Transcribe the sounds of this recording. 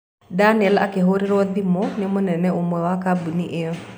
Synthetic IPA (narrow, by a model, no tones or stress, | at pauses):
danɛla̰keɦoɾiɾɔd̪imɔnɪmʊnɛnɛomwɛwakabuniʔe